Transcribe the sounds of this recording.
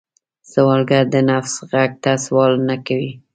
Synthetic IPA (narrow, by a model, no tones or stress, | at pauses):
z̥awɑlɡaɾd̪ənafsɣaɡ̚t̪aswɑlnakawi